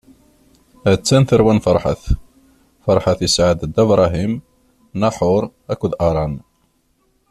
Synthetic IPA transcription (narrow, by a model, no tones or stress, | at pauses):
æt͡sːænθəɾwænfɑɾˤħa̰θ | fɑɾˤħaθjəsʕad̪d̪ːəbɾˤɑɦim | nɑħʊɾˤ | ækʷːʊðʔɑɾˤɑn